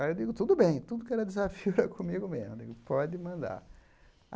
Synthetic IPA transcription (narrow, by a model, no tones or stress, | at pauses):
aewd͡ʒ̪iɡʊt̪ud̪ʊbẽj̃t̪ud̪ʊkɪɛɾɐd̪ɪzafiʊɾakʰõmiɡʊmezmuḭɡʊpɔd͡ʒɪmɐ̃nd̪a̰ɾ